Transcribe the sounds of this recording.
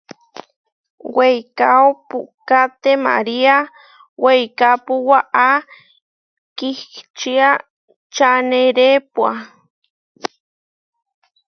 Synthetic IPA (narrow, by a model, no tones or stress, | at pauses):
wejkaopṵkat̪ema̰ɾia | wejkapuwaʔa | kikt͡ʃia | t͡ʃaneɾepwa